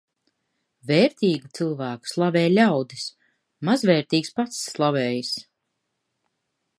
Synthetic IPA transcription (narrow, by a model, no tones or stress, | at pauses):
vɛːɾt̪ʲiːɡut̪sɨlˠvæːku̥slˠavɛːlʲawd̪is | mazvɛːɾt̪iːkspat̪sːlˠavɛːjis